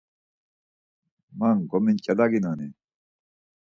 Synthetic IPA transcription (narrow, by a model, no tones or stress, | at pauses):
manɡomincɐlaɡinane